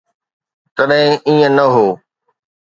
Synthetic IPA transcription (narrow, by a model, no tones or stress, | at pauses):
t̪ɐɗɦɪ̃ʔiːə̃nɐɦoː